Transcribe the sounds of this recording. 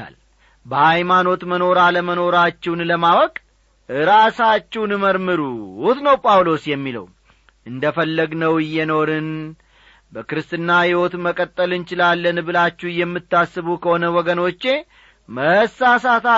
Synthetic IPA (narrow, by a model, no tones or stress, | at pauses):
a̰l | bəhajmano̞t̪məno̞ɾaləməno̞ɾat͡ʃːɛwnləmawɔkʼ | ɨɾasat͡ʃːɛwnməɾmɨɾuut̪nəwpʼawlo̞sjɛmːilə̰w | ʔɨnd̪əfəlːəɡnəwɪjːɛno̞ɾɨn | bəkɨɾɨst̪ʼɨnːahɪho̞t̪məkʼət̪ʼːəlɨnt͡ʃɪlalːənbɨlat͡ʃːɛjɛmːɨt̪ːasːɨβukʰəho̞nəwɔɡəno̞t͡ʃːe̞ | məsasat̪a